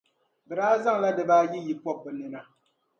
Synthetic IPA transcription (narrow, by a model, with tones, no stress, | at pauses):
bɛ˨ɾaː˦za˦ŋ˨la˦dɨ˨baː˦ji˦ji˨pɔ˦b̚ːɨ˨nɨ˨na˨